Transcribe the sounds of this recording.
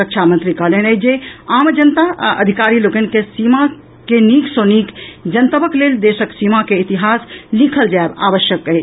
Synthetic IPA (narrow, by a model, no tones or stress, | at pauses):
əkt͡ʃʰamənt̪ɾikəɦlenəd͡ʒeamd͡ʒənt̪aə̰d̪ʱikaɾilokənkesima | keniksonikd͡ʒənt̪əbəkleld̪esəksimakeit̪iɦaslikʰəld͡ʒaeba̰bəʃjəkəɦit͡ʃ